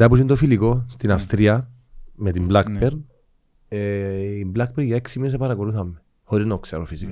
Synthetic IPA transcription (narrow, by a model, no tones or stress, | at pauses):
t̪ɐpusint̪ofiliko̞st̪inɐfst̪ɾiɐ | met̪imblɐkpeɾ | eimblɐk̚peɾʝɐeksimines̬epɐɾɐkoluθɐmːe | xoɾiznoksɐ̰ɾofisika